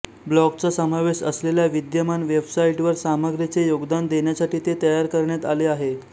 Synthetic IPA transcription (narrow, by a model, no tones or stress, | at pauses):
blɔkt͡sasəmaʋeɕəsleljaʋid̪jəmanʋebsaiʈʋəɾsaməɡɾjət͡sejoɡd̪and̪eɳjasaʈiːt̪et̪əjaɾkəɾɳjat̪aleaɦe